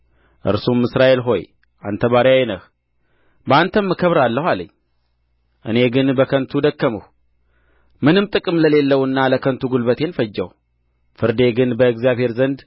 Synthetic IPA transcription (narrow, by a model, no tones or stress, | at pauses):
ʔɨ̰ɾsumːɨsɾaʔe̞lɦo̞j | ʔa̰nt̪ʰəβaɾjajnəh | bəant̪ʰəmːɨkʰəβɾalːəhʷaləɲː | ʔɨne̞ɡɨnbəkʰənt̪ʰud̪əkːəməh | mɨnɨmt̪ʼɨkʼɨmləle̞lːəwɨnːaləkʰənt̪ʰuɡulbət̪ʰe̞nfəd͡ʒːəw | fɨɾd̪e̞ɡɨnbəɨɡzijaβhe̞ɾzənd̪